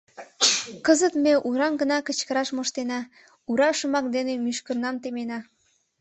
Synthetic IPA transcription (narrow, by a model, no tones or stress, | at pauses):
kəzət̪meʔuɾɑmɡənɑkət͡ɕkəɾɑʃmoʃt̪enɑ | uɾɑʃəmɑk̚d̪enemyʃkərnɑmt̪emenɑ